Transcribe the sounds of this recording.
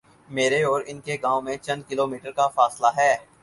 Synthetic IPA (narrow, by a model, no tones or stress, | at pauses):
meːɾeɔːɾɪnkeɡãːõmẽt͡ʃɐ̃nd̪̚kɪloːmiːʈəɾkafaːslaɦɛː